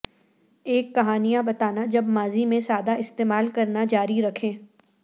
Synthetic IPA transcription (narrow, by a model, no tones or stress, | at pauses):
eːkːɐɦaːnijãbɐt̪aːnad͡ʒɐbmaːzimẽsaːd̪aʔɪst̪eːmaːlkɐɾnad͡ʒaːɾiɾɐkʰẽː